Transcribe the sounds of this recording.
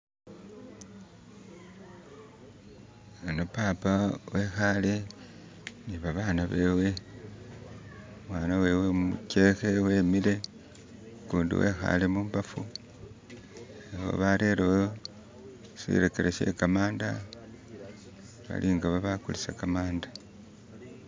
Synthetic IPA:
enopaːpawe̞xale̞ | niβaβaːnaβe̞we̞ | mwaːnawe̞ːwe̞mṵcexe̞we̞ːmile̞ | kuːndḭwe̞̰xa̰le̞muːmbafu | eho̰βaɾe̞ːɾewo | sḭɾe̞keɾʔeʃe̞̰kamaːnda̰ | βa̰lʔiŋɡaβaβakulisekamaːndḁ

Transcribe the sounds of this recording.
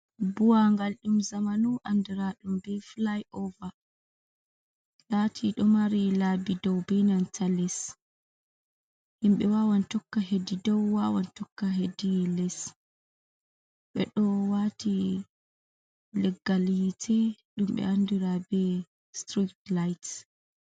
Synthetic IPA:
buwaŋɡalɗumzamanuʔandiɾaɗumbɛflajʔɔva | latʰiɗɔmaɾilabidɔwbɛnantʰalɛs | himɓɛwawantɔkːaɦedidɔwːawa̰ntɔkːaɦedilɛs | ɓɛ̰ɗɔwatʰi | lɛɡːalhitʰɛɗumɓɛ̰andiɾabɛ | stɾiktlajt

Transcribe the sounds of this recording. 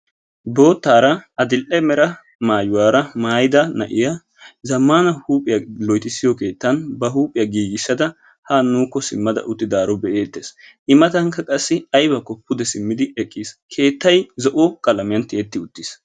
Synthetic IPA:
bo̞ːt̪ːaːɾɐɐd̪ɪlʔɛmɛɾɐ | maːjʊwaːɾɐmaːjd̪ɐnɐ̰ʔɪjɐ | zɐmːanɐhuːpʼːɪjɐlɔjt̪ɪsːɪjɔke̞ːt̪ːɐnbɐɦuːpʼːɪjɐɡiːɡɪsːɐd̪ɐ | hanuːkːɔsɪmːɐd̪ɐ̰ʔʊt̪ːɪd̪aːɾɔbɛʔe̞ːt̪ːes | ʔɪmɐt̪ɐŋkːɐkʼɐsːɪɐjbɐkɔpːʊd̪ɛsɪmːɪd̪ɪɛkʼːiskʰe̞ːt̪ːɐjzɔʔokʼɐlɐmɪjɐnt̪ɪɛt̪ːɪʊt̪ːis

